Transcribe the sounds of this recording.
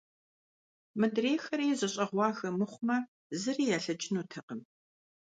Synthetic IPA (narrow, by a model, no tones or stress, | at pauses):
mɨdreːxɐɾiːzɐɕʼɐʁʷɑːxɐmɨχʷʊmɐ | zɨriːjaːɬɐd͡ʒɪnuːtʰɐqəm